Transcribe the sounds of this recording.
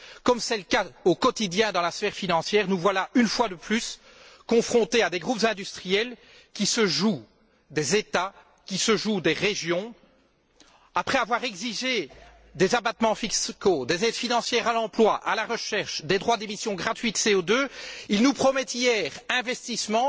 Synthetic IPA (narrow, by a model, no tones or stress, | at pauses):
kɔmsɛləkaokɔt̪id̪jɛ̃d̪ɑ̃lasfɛːʁfinɑ̃sjɛːʁnuvwalaynfwad̪əplys | kɔ̃fχɔ̃t̪ead̪eɡʁupzɛ̃d̪yst̪χijɛl | kʲisəʒu | d̪ezet̪a | kʲisəʒud̪eʁeʒjɔ̃ | apχɛavwaʁɛɡziʒe | d̪ezabat̪mɑ̃fikskod̪ezɛd̪finɑ̃sjɛːʁalɑ̃plwaʔa̰laʁəʃɛʁʃd̪ed̪ʁwad̪emisjɔ̃ɡʁat̪ɥit̪seod̪øilnupχɔmɛt̪ijɛːʁɛ̃vɛst̪ismɑ̃